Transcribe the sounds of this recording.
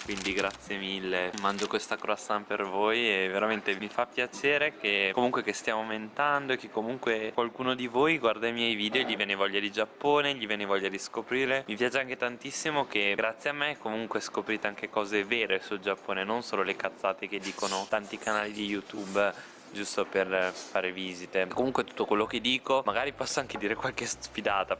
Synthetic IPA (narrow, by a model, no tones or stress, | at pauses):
kwind̪iɡɾat̪sjemilːemand͡ʒokwest̪akɾoasampervoːjeveɾament̪emifapːjat͡ʃeːɾekekomuŋkwekest̪jamoment̪and̪oekːekːomuŋkwekwalkuːnod̪ivoːjɡward̪ajmjɛjviːd̪eoʎivjɛːnevɔʎːad̪id͡ʒapːoːneʎivjɛːnevɔʎːad̪iskopɾiːɾlemipjaːt͡ʃeaŋket̪ant̪isːimokeɡɾat̪sːjeamːekːomuŋkweskopɾiːt̪eaŋkekɔːzeveːɾesuld͡ʒapːoːnenonsoːlolekat̪sːaːt̪eked̪ːiːkonot̪ant̪ikanaːlid̪ijut̪ub | d͡ʒust̪operfaːɾeviːzit̪ekːomuŋkwet̪u̥t̪ːokwelːoked̪ːiːkomaɡaːɾipɔsːoaŋked̪iːɾekwalkesfid̪aːt̪a